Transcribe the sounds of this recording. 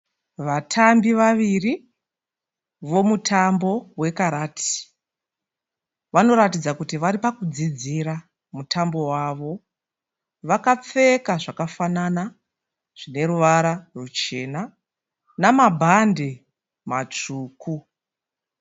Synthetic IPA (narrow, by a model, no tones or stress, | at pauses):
ʋatʰambiʋaʋiri | ʋo̞mutʰambo̞we̞kaɾaːtʰi̥ | ʋano̞ɾatid͡zakutiʋaɾipakud͡zid͡ziɾa | mutʰambo̞waʋo̞ | ʋakap͡fe̞kaʐakafanana | ʐ̥ine̞ɾuʋaɾarut͡ʃe̞na | namabʱande | mat͡ʂuːku